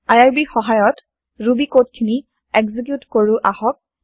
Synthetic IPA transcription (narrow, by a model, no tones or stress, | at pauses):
ajaɹbixɔɦajɔt | ɹubikot̚kʰini | ɛɡzik̬jutkoɹʊʔahɔk̚